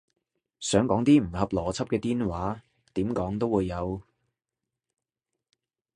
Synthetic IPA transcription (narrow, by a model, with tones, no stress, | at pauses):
sœː˨˥ŋkɔː˨˥ŋt̪iː˥m̩˨˩hɐ˨p̚lɔː˨˩t͡sʰɐ˥p̚kɛː˧t̪iː˥nwaː˨˥ | t̪iː˨˥mkɔː˨˥ŋt̪o˥wuː˨˧jːɐ˨˧w